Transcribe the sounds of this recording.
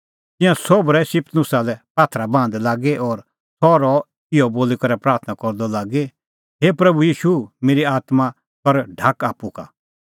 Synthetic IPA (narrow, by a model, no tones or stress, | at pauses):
t̪ɪ̃jãsɔbɾɛsɪpt̪nʊsalɛpaːt̪ʰɾabãːnd̪laːɡeʔɔːɾ | sʰɔɾɔ | ɪɔboːlikɐɾɛpɾaːɾt̪ʰnakɔɾd̪ɔlaːɡe | ɦeːpɾɐbujiːʃumeːɾiaːt̪ma | kɐɾɖʱakaːpːuka̰